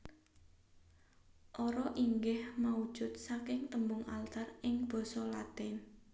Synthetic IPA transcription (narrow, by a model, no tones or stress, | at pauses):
ʔɔɾɔʔiŋɡɪhmaud̥ʒ̥ʊ̤t̪̚sakɪŋt̪əmbʊŋalt̪arɪŋb̥ɔ̤sɔlat̪ɪn